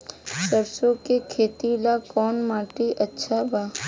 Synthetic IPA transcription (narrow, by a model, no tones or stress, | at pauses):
səɾsõkekʰeːt̪ilakɔːnmaːʈiʔətːʃʰabaː